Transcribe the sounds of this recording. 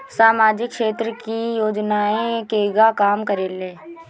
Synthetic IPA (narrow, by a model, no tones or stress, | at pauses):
saːmaːd͡ʒɪkʃeːt̪ɾəkijoːd͡ʒnaːẽkeɡakaːmkəɾeːleː